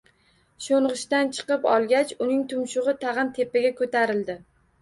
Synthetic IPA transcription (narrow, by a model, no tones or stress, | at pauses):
ʃoɴʁɨʃt̪ant͡ʃʰɨ̥qɨpɒlˠɡʲat͡ʃʊnɪŋt̪ʰʊmʃʊʁɨt̪ʰaʁɨmt̪ʰe̞pɪɡʲakʰot̪ʰaɾɪld̪ɪ